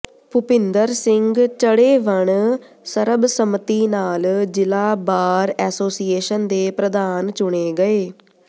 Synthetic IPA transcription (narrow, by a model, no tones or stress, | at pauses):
pʊpɪnd̪əɾsɪŋɡt͡ʃəɽeːʋəɳ | səɾəbsəmt̪iːnaːld͡ʒɪlaːbaːɾɛːsoːsiːeːʃənd̪eːpɾəd̪aːnt͡ʃʊɽeːɡəeː